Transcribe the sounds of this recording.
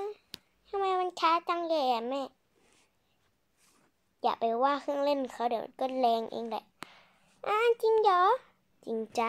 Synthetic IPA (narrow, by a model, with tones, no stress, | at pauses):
a˧ | ha˧˨maː˧˨ma˧˨nt͡ɕʰaː˧˥˦t͡ɕa˧˨ŋjɔː˧˩˨ɛ˨˩mɛː˧˩˨ | jaː˨˩k̚pa˨˩jwaː˧˥˨kʰɯ˧˩˨ŋle˧˩˨nkʰa˧˩˨dɯ˨˩˦m̰˨nkɤː˧˥˨lɛː˧ŋʔḛː˧˨ŋlɛ̰˧˦ | ʔaː˧˦ʔt͡ɕi˧˨ŋjɔː˧˦ | t͡ɕi˨ŋt͡ɕa˧